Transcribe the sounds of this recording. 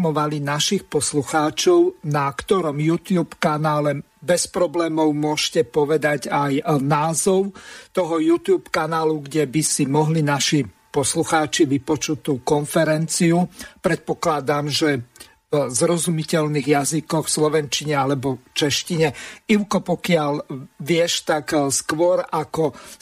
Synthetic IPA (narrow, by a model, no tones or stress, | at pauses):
mɔʋalinaʃixpɔsluxaːt͡ʃɔʊnakt̪ɔɾɔmjuːt̪juːpkanaːlɛ | bɛspɾɔblɛːmɔʊmʊɔʃcɛpɔʋɛd̪aɟajnaːzɔʊt̪ɔɦɔjuːt̪juːpkanaːluɡɟɛbisimɔɦlinaʃi | pɔsluxaːt͡ʃiʋipɔt͡ʃut̪ːuːkɔnfɛɾɛnt͡siupɾɛt̪̚pɔklad̪amʒɛ | zɾɔzumicɛlniːɣjazikɔxslɔʋɛnt͡ʃiɲɛalɛbɔt͡ʃɛʃciɲɛiʊkɔpɔkɪaʎʋɪɛʃt̪akskʋɔɾakɔ